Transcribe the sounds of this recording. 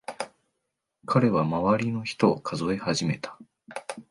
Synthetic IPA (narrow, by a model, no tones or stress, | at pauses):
kʰaɾe̞βamaβaɾʲino̞çi̥t̪o̞ːkʰazo̞e̞haʑime̞t̪ḁ